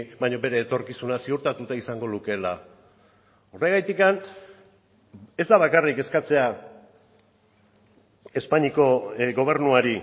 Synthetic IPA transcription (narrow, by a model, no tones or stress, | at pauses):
baɲo̞be̞ɾe̞ːt̪o̞ɾkisunasiuɾt̪at̪ut̪aisaŋɡo̞luke̞la | ore̞ɣajt̪ikan | e̞zd̪aβ̞akarike̞skat͡se̞a | e̞spaɲiko̞ɣo̞β̞e̞ɾnuaɾi